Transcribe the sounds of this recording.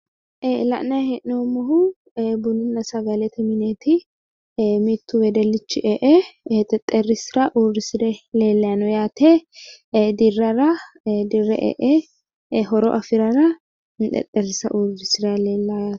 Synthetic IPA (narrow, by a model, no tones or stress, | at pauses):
ʔlɐ̰ʔnɐjhɛʔnomːɔɦʊ | bʊnɪnːɐsɐɡɐlɛt̪ʰɛmɪneːt̪ɪ | mit̪ːʊwɛd̪ɛlːɪt͡ʃːɪʔeːʔɛt̪ʼɛt̪ʼːɛrːɪsɪɾɐʔuːrɪsɪdɛleːlːɐjɐnɔjaːt̪ɛ | d̪ɪrːɐɾɐ | d̪ɪrːɛ̰ʔḛːʔɛ | ɦɔɾɔ̰ʔɐfɪɾɐɾɐ | t̪ʼɛ̰t̪ʼːɛɾɪsɐ̰ʔuːdɪsɪɾɐleːlːaː